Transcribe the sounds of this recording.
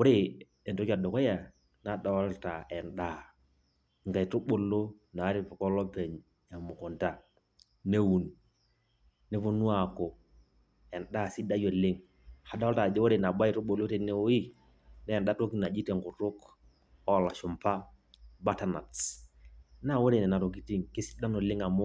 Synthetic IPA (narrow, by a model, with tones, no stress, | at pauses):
wʊ˦ɾe˦ | ɛ˨nto˦ka˨dɔ˨kɔ˦ja˨ | na˨da˨wa˦lta˨ɛ˨nɗa˦˨ | ŋɡa˨i˨tʊ˦ɓo˨lːo˦ | na˨˦ɾi˨fɔ˨kɔ˦lɔ˦pɛ˨ɲ | a˨mʊ˨kɔ˨nta˦ | ne˦wu˨n | nɛ˦fu˨nu˦a˨kɔ˨ | ɛ˨nɗa˦˨si˦da˦jo˨lɪ˦ŋ | ha˨da˦a˦lta˨dɛ˦wo˦ɾe˨na˨ba˦˨tu˦ɓo˨lo˦tɛ˦ne˦o˦i˦ | nɛː˦˨nɗa˦to˦ki˦na˨d͡ʒi˦tɛ˨ŋkʊ˨tʊ˦k | ɔ˦˨la˨ʃu˨mpa˦ | ba˦ta˨na˨t | na˦˨wo˦ɾe˨nɛ˨na˨ɾo˨ki˨ti˦ŋki˦si̥˦da˦no˨lɪ˦ŋa˨mɔ˦